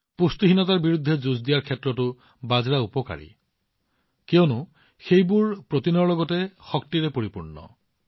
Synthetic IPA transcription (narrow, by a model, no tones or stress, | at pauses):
pust̪uɦinɔtaɹbiɹud̪ʱːɛzuzdijaɹkʰɛtɹɔtʊ | bazɹaupɔka̰ɹḭ | kewnʊ | xejbuɹpɹot̪inɔɹlɔɡɔtɛxɔk̚tiɹɛpoɹipuɹnɔ̰